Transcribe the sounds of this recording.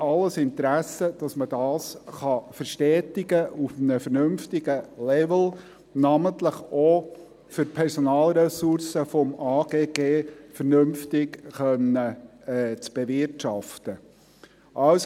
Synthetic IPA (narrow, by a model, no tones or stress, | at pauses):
ɑlːəsɪnt̪ɾæsəd̥ɑsməd̥ɑːsχɑfəɾʃtɛːtɪɡəʔufnəfəɾnʉmftɪɡəlɛvl̩ | nɑmənt̪ləχo | fʏɾpʰɛɾsɔnɑːlɾɛsuɾsəfɔmɑːɡ̥eːɡ̥eːfəɾnɵmftɪkχœnːə | t͡sb̥evɪrtʃɑft̪ə | ʔɑws